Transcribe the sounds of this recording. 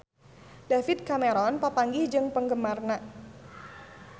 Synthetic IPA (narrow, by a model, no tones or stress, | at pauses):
dafit̪̚kameɾɔnpəpaŋɡihd͡ʒɨŋpəŋɡəmarna